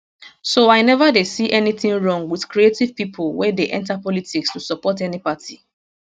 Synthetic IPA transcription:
soaɪnɛvadesiʔɛniθɪ̃ŋɹɔ̃ŋwiθkɾietiv̥pipʰʊlwɛdeʔɛ̰̃ntapɔlitikstusɔpɔtɛnipati

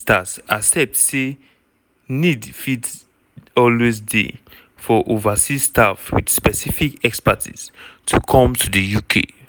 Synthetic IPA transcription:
tasasɛp̚tse | nidfit | ɔlwezdḛ | fɔʔovasistʰafwḭd̥spɛsifikɛkspatʰḭz̥tʰukʰɔ̃mtʰudəjukʰḛ

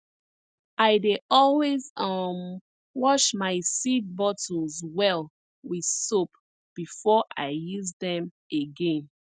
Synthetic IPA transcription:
aɪdeɔlwezʌm | wɔʃmaɪsid̚bɔt̩zwɛl | wið̥sop | b̥ifɔʔaɪjuzdɛ̃m | eɡẽn

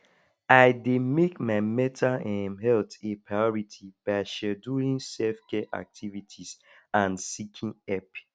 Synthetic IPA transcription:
aɪdemekmaɪmɛtʰaɛ̃mɦɛltepɹaɪɔɹitʰib̥aɪʃɛduĩŋsɛfkɛʔa̰k̚tʰivitʰis | ãnsikʰĩnɛp

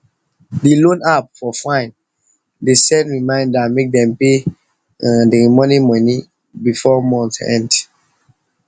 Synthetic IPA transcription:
dilõnap̚fɔfãɪ̃n | desɛ̃nɹimãɪ̃ndamek̚dɛ̃mpẽ | demɔnimɔni | bifɔmɔ̃nθɛ̰̃nd

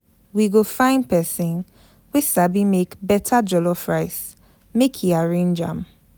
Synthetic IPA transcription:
wiɡofãɪ̃nd̚pɛsĩn | wesabimekbɛtʰad͡ʒɔlɔfɹaɪs | mekʰjiaɹẽnd͡ʒã̰m

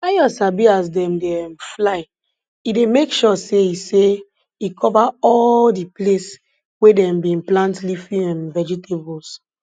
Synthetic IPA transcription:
ajɔsabias̬dɛ̃mdemflaɪ | idemekʃɔseise | ikʰɔvaɔldiples | wedɛ̃mbĩnplãntlifĩɛ̃mvɛd͡ʒitʰebɔls

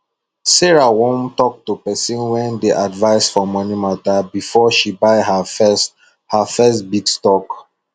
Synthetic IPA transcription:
sɛɹawɔ̃ntɔk̚tupɛsɔ̃nwɛ̃ndeʔadvaɪsfɔmːɔnimatabifɔʃibaɪɦafs | hafɛstbitstɔk

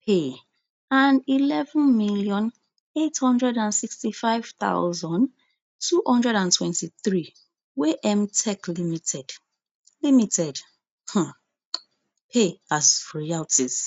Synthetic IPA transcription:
pʰe | ãnilɛvə̃nmiljɔ̃n | ethɔ̃ndɹɛdãnsikstifaɪv̥ta̰ʊzɔ̃n | tʰuhɔ̃ndɹɛɾãntʰwɛ̃ntiθɹi | weʔɛmtʰɛklimitɛd̥ | limitʰɛd | hã | pʰeazɹialtis

